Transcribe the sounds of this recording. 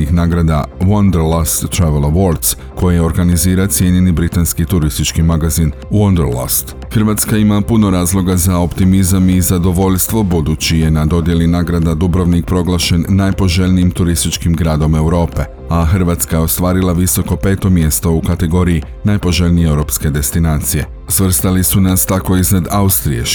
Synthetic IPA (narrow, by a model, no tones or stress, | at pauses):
ixnaːɡɾad̪awond̪əɾlast̪ːɾaʋelˠaʋoɾd̪s | ko̞jijeo̞ɾɡaniziːɾat̪sje̞ɲe̞nibɾit̪anskit̪uɾist̪it͡ʃkimaɡazin | wond̪əɾla̰st̪ | xərɾʋaːt̪skaimapuno̞ɾaːzlˠo̞ɡazao̞pt̪imizamizad̪o̞ʋo̞ʎst̪ʋo̞bud̪uːt͡ɕije̞nad̪o̞d̪je̞linaːɡɾad̪ad̪ubɾoʋnik̚pɾo̞ɡlˠaʃe̞nːajpo̞ʒe̞ʎʲnijimt̪uɾist̪it͡ʃkimɡɾaːd̪o̞me̞wɾo̞ːpe̞ | axərʋaːt̪skajeo̞st̪ʋaːɾilˠaʋiso̞ko̞pe̞ːt̪o̞mje̞st̪o̞ukat̪e̞ɡo̞ɾiji | najpo̞ʒe̞ʎnijewɾo̞pske̞d̪e̞st̪inaːt̪sije̞̰ | sʋr̩st̪alisunast̪ako̞iznad̪aust̪ɾḭe